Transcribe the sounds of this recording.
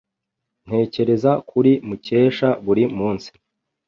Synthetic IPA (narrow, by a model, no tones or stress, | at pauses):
n̥he̞ːce̞ɾe̞zakʰuɾimuce̞ːʃaβuɾimuːnsi̥